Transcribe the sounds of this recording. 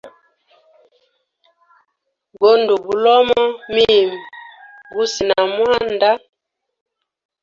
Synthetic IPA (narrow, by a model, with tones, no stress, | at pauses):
ɡo˦ndu˨bu˨lɔ˦mɔ˦mi˦˨m˨ | ɡu˦si˨na˨mwa˦nda˦